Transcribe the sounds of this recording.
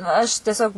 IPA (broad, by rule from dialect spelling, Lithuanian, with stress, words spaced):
ɐʃ tʲiɛˈsʲoːk